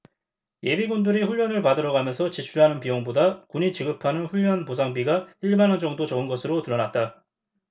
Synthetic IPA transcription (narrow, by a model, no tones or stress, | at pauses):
je̞biɡundɯɾiɸuʎːʌnɯɭpadɯɾʌɡamjʌnsʰʌt͡ɕit͡ɕʰuɭɦanɯnpijoŋbodakuɲit͡ɕiɡɯpʰanɯnɸuɭːʌnposʰaŋbiɡaiɭmanʌnd͡ʑʌŋdot͡ɕʌɯnɡʌsʰɯɾotɯɾʌnat̚t͈a